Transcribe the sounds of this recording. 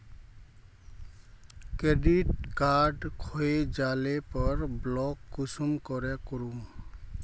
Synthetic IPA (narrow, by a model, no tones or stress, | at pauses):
kɾeɖiʈkaɾɖkʰoed͡ʒalepɔɹblɔkːusumkɔɾɛkɔɾum